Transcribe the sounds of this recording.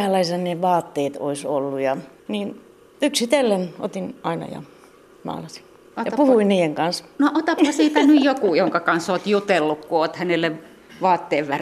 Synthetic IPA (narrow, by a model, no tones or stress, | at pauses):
ælːɑisɑneʋɑːt̪ːeːt̪o̰isolːujɑ | niːn | yksit̪elːeno̰t̪inʔɑinɑ̰jɑ̰ | mɑ̰ːlɑsi̥ | jɑpuhuinniːeŋkɑnsnoʔot̪ɑpːɑsiːt̪ænyjjokuˑjoŋkɑkɑnsoːt̪jut̪elːukkuoːt̪hænelːe | ʋɑːt̪ːeːʋʋær